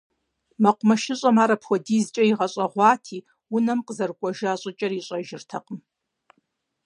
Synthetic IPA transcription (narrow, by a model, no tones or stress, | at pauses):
mɐqʷʊmɐʃɪɕʼɐmaːɾɐpʰxʷɔdiːzt͡ʃʼɐiʁɐɕʼɐʁʷɑːtʰiː | ʊnɐmqəzɐrkʷʼɔʒaːɕʼɐt͡ʃʼɐriɕʷʼɐʒɪrtʰɐqʼəm